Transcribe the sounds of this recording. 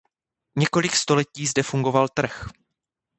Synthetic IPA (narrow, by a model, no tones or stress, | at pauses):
ɲɛko̞lɪkst̪o̞lɛciːzdɛfuŋɡo̞valt̪r̩x